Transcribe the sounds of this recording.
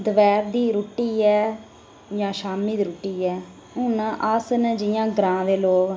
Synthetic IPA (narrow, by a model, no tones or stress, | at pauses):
d̪əʋɛːɾd̪iːɾuːʈːiːɛː | jãːʃaːmiːd̪iːɾoʈːiːɛː | ʊnãːʔəsnd͡ʒɪjãːɡɾãːʋeːloːk